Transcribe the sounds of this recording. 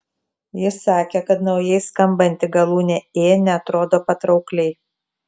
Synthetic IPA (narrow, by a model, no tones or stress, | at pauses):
jɪsɑːkʲekɐt̪nɒʊjɛɪskɐmbɐnʲt̪ʲɪɡɐlˠuːnʲeːeːnʲɛɐt̪ɾoːd̪oːpɐt̪ɾɒʊklʲɛɪ